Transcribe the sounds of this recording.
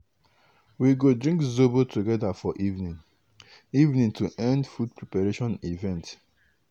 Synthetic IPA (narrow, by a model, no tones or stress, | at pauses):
wiɡodɹĩŋkzobotʰuɡɛdafɔʔivnĩn | ivnĩntuʔɛ̃ndfud̚pʰɹipaɹeʃɔ̃nivɛ̃nt